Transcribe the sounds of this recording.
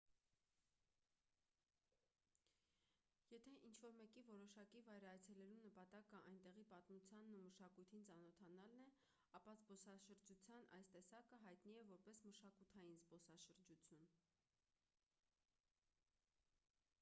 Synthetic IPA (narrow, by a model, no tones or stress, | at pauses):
jɛt̪ʰɛʔint͡ʃʰvɔɾmɛkivɔɾɔʃɑkivɑjɾɑjt͡sʰɛlɛlunəpɑt̪ɑkəʔɑjnt̪ɛʁipɑt̪mut͡sʰjɑnːuməʃɑkujt̪ʰint͡sɑnɔt̪ʰɑnɑlnɛ | ɑpɑzbɔsɑʃəɾd͡ʒut͡sʰjɑnɑ̰jst̪ɛsɑkəɦɑjt̪niɛvɔɾpɛsməʃɑkut̪ʰɑjinzbɔsɑʃəɾd͡ʒut͡sʰjun